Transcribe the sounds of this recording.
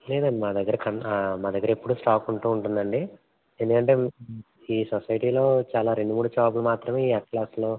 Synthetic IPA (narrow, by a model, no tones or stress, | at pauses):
le̞ːd̪ɐɳɖimaːd̪ɐɡːɐɾɐkɐnmaːd̪ɐɡːɐɾɐepːuɽuːsʈaːkuɳʈuːɳʈund̪ɐɳɖi | end̪ukɐɳʈe̞ː | iːsɔsɐjʈiːlo̞ːt͡ʃaːlaːɾe̞ɳɖumuːɽut͡ʃaːp̬lumaːt̪ɾɐme̞ːiːɛkklaːslo̞ː